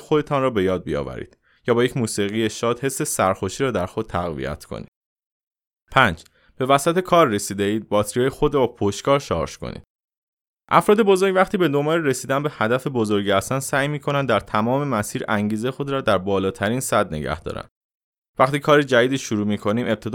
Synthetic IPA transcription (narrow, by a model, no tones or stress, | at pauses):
xo̞d̪e̞t̪ʰɒnrɒːbe̞jɒːd̪̚bḭjɒ̰væ̰ɾḭːd̪̥ | jɒːbɒːjecʰmuːsiɣijeʃɒːd̪̥he̞sːe̞sæɾxo̞ʃiːɾɒːd̪æɾxo̞d̪̚t̪ʰæɣvḭjæ̰t̪ʰkʰo̰nḭːd̪̥ | pʰænd͡ʒ | b̥e̞væsæt̪ʰe̞kʰɒːɾːesiːd̪eiːd̪̚bɒt̪ɾijɒːjexo̞d̪ɾɒbɒpʰoʃtkɒːɾʃɒ̰ɾʃkʰo̰nḭːd̪̥ | ʔæfɾɒːd̪ebo̞zo̞ɾɡvæχt̪iːbe̞d̪o̞mbɒːleɾesiːd̪ænbehæd̪æfe̞bozoɾɟæst̪ænsæːjmiːkʰo̞nænd̪æɾt̪ʰæmɒːme̞mæsiːɾæŋɟiːzejexo̞d̪ɾɒːd̪æɾbɒːlɒːt̪ʰæɾiːnsæd̪neɟæ̰hd̪ɒ̰ːɾæ̰n | væχt̪iːkʰɒːɾid͡ʒæd̪iːd̪iːʃuɾuːmiːkʰo̞niːmʔe̞b̥̚t̪ʰe̞d̪